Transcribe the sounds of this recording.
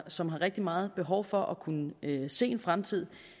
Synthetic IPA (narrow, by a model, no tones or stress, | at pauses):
sɒ̽mɦɑ̈ʁeɡ̥̚d̥imɑ̈ːð̞̩ˠb̥e̝ɦɒʊfɒ̽ʔɒkʰunəse̝̰ːe̝nfʁamt͡sʰið̞̰ˠ